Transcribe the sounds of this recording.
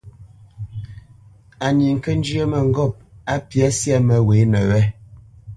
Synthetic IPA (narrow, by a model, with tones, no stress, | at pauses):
a˨ɲi˨ŋ̩˨kə˦n̩˦d͡ʒjə˦mɛ˨ŋ̩˨ɡɔ˦˨p̚a˦pja˦sja˦mɛ˨we˨˦nɛ˨wɛ˦